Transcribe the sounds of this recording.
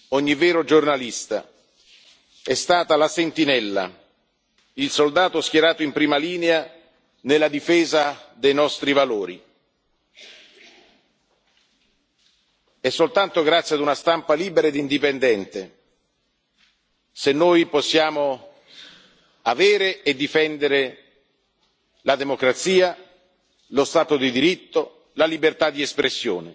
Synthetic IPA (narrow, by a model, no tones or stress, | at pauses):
ɔɲːivɛːɾod͡ʒornalist̪a̰ | ɛst̪aːt̪alasent̪inɛlːa̰ | ilsold̪aːt̪ʊɛskjeɾaːt̪oimpɾiːmaliːnea | nelːad̪ifɛːzad̪ejnɔst̪ɾivaloːɾḭ | ɛsːolt̪ant̪oɡɾat̪sːjead̪unast̪ampaliːbeɾaed̪ind̪ipend̪ɛnt̪e | senːoːjposːjaːmo | aveːɾeed̪ːifɛnd̪eɾe | lad̪emokɾat̪siːa | lost̪aːt̪od̪id̪iɾit̪ːo | lalibert̪ad̪iespɾesːjo̰ːne